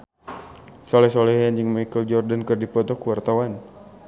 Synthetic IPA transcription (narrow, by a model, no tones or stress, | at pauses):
sɔlɛhsɔlɛhand͡ʒɨŋmakəld͡ʒɔrdankərdipɔt̪ɔkuwart̪awan